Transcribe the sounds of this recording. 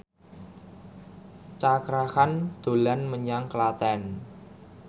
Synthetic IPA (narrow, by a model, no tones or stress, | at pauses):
t͡ʃakɾahand̪̥o̤lanməɲaŋklat̪ɛn